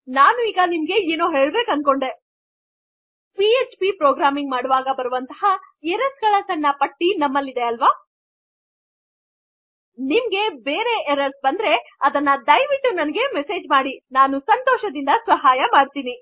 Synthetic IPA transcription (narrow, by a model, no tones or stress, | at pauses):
naːnuiːɡɐnimɡe̞eːnoːɦe̞ːɭbeːkɐnd̪̚ko̞ɳɖe̞ | piet͡ʃpipɾoːɡɾaːmiŋɡmaːɽuʋaːɡɐbɐɾuʋɐnt̪ɐɦɐ | eɾɐsɡɐɭɐsɐnːɐpɐʈːinɐmːɐlːid̪e̞ɐlʋaː | nimɡe̞beːɾe̞eɾɐsbɐnd̪ɾe̞ɐd̪ɐnːɐd̪ɐjʋiʈːunɐnɐɡe̞mese̞ːd͡ʒmaːɽinaːnusɐnt̪ɔːʃɐd̪ind̪ɐsʋɐɦaːjɐmaːɽt̪iːni